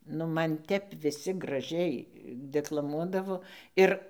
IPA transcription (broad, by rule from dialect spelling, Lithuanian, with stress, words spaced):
nʊ ˈmɐn ˈtʲɛp ʋʲɪˈsʲɪ ɡrɐˈʒʲɛɪ dʲɛklˠɐˈmuɔdɐʋoː ˈɪr